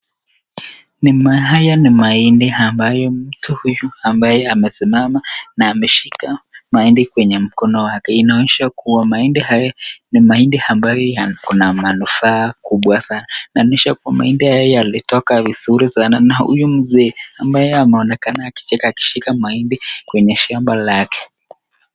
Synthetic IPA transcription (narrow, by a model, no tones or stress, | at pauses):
nimaɦajanimaindiambajɔm̩tuhujuambajɛamɛsimamanaːmɛʃikamaindikwɛɲɛm̩kɔnɔwakɛinaɔɲɛʃakuwamaindihajanimaindiambajɔjakunamanufaːkuɓwasanainaɔɲɛʃakuwama̰indihajjɔjalitɔkavizuɾisananahṵjum̩zɛːambajɛamɛɔnɛkanaːki̥t͡ʃɛkaːki̥ʃikamaindikwɛɲɛʃambalakɛ̥